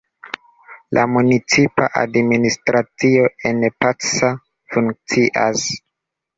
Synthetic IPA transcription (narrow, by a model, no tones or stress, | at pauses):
lʔa̰munit͡sipa̰ʔa̰dministɾat͡sio̞e̞npasa | fuŋk̚t͡siʔa̰s